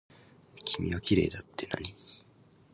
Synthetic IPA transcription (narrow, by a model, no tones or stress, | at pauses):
kʲʰimʲiβakʲiɾe̞̰ːd̪at̪ːe̞na̰ɲ̟i